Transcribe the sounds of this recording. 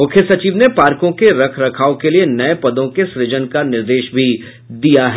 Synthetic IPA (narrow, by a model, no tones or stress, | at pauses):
mʊkʰjəsɐt͡ʃiːʋnepaːɾkõkeɾɐkʰɾɐkʰaːokelienɐepɐd̪õkesɾɪd͡ʒənkanɪɾd̪eːʃbʱi | d̪ijaɦɛ